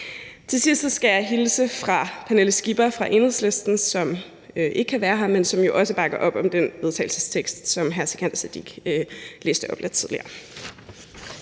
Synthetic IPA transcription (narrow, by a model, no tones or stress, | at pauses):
t͡sʰe̝sisd̥sɡ̥æjɑ̈ɪɦilsəfʁɑ̈pʰæneləsɡ̥ib̥ɐfʁɑ̈ʔe̝nhðˠsle̝sd̥n̩sɒ̽m | øʔe̝ɡ̥əkʰːæʋæːɐɦɑ̈mensɒ̽mjo̝ʔɒ̽səb̥ɑ̈ɡ̥ɐʔɒ̽b̥ɒ̽md̥enʋe̝ð̞ˠt͡sʰɛ̰ɪl̩səst͡sʰeɡ̥sd̥sɒ̽mɦæɐsikʰænd̥ɐsæd̥ḭɡ̥le̝ːsd̥əɒ̽b̥le̝d̥̚t͡sʰið̞ˠliɐ̰ː